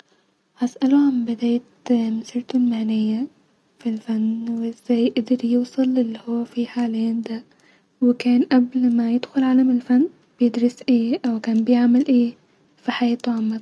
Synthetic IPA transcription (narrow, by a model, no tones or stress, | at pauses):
hasʔaluʕambɪd̪aːjt̪mʊsiːɾt̪ʊlmaʕnɪjːa | filfanːwʔɪz̥ːajʔd̪ɑɾjuːsˤɑlɪlːihʊwːafiħaːleːnd̪a | wɪkaːnʔablmajɪd̪xʊlʕaːlamɪlfanː | b̥jɪd̪ɾɑsʔeːʔawkaːnbɪjaʕmɪlʔeː | fiħajeːt̪uʕamːa